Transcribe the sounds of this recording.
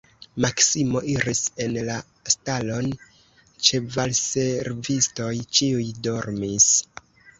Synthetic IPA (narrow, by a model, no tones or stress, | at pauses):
maksimo̞ʔiɾise̞nla | stalo̞n | t͡ʃe̞valse̞ɾvisto̞jt͡ʃiujdo̞ɾmis